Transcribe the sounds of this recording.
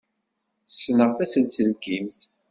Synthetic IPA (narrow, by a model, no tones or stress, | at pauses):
sːnəʁθæsənt͡səlkimθ